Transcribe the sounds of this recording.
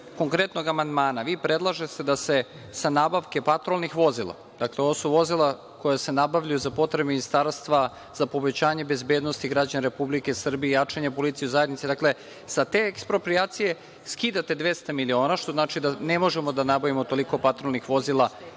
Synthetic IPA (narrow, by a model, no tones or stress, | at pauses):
koŋkɾe̞t̪no̞ɡamand̪maːnaʋiːpɾed̪lˠaʒest̪ed̪ase̞ | sanabaʋke̞pat̪ɾolˠnixʋo̞zila̰ | d̪̥akleoosuʋo̞zilˠa | ko̞jase̞nabaʋʎajuzapo̞t̪ɾebeminist̪aːɾst̪ʋa | zapo̞bet͡ɕaːɲe̞be̞zbeːd̪no̞st̪iɡɾad͡ʑanɾe̞publike̞sr̩bijejat͡ʂeɲapo̞lit̪sijuzajed̪nit̪sid̪akle̞ | sat̪eekspɾopɾiaːt̪sije̞ | skiːd̪at̪e̞d̪ʋest̪amilio̞ːnaʃt̪o̞znaːt͡ʃid̪anemo̞ʒemod̪anabaʋimo̞t̪o̞liko̞pat̪ɾolˠnixʋo̞zilˠa